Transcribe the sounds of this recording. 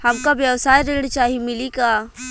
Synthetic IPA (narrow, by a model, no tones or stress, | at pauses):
hɐmkabjəwsaːjɾeːɽ̃t͡ʃaːɦimɪlikaː